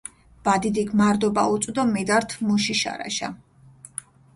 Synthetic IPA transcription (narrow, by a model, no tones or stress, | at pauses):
vad̪id̪iɡmaɾd̪ɔbaut̪sʼd̪ɔmɛd̪aɾt̪ʰmuʃiʃa̰ɾa̰ʃa̰